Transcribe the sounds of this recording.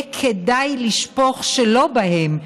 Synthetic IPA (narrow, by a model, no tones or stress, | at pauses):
kʰedajliʃpoχʃelo̞bahem